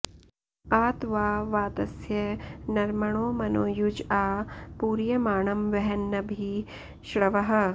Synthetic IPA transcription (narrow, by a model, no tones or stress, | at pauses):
aːt̪ʋaːʋaːt̪ɐsjɐnɐɾmɐɳoːmɐnoːjud͡ʒaːpuːɾjɐmaːɳɐmʋɐɦɐnːɐbʱi | ʃɾɐʋɐɦɐ̆